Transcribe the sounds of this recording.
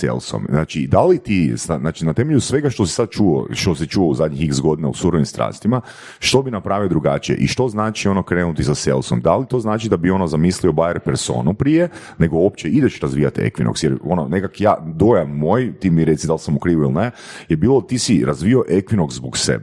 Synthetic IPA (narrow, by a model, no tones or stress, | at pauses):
sḛlˠso̰mznaːt͡ʃid̪alit̪isanaːt͡ʃinat̪e̞meʎusʋe̞ɡaʃt̪o̞si̥sad̪̚t͡ʃuo̰ʃt̪os̬it͡ʃuouzad̪ɲixiksɡo̞d̪ina̰usuɾoʋimst̪ɾa̰ːst̪ima | ʃt̪o̞binapɾaːʋiod̪ɾuɡat͡ʃijḛʔḭʃt̪o̞znaːt͡ʃio̞nokɾeːnut̪isasḛlˠsomd̪alit̪o̞ːznaːt͡ʃid̪abio̞nozamisliobaeɾpeɾso̞̰ːnupɾije | ne̞ɡo̞op̚t͡ʃeid̪et͡ʃɾazʋiːjat̪ḛkʋḭnʔoksjeɾo̞nonekakja̰ːd̪o̞janmoːjt̪iːmiɾe̞t̪sid̪alˠsamukɾiːʋuilˠinejebiːlˠot̪isiɾʔazʋio̞ʔekʋinokszboksḛb